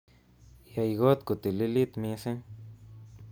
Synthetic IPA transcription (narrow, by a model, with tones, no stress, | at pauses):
ja˧jɡo˦t̪ku˨t̪i˨li˦li˦t̪mĩ˧se˦